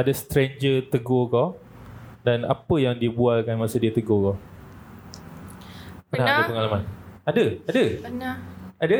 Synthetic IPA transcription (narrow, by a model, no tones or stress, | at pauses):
adəst̪ɾeɲd͡ʒət̪əɡokɔ | dana̰pəjaŋdibualkanmasodiət̪əɡokɔ | pənahadapəŋalamanadəadə | adə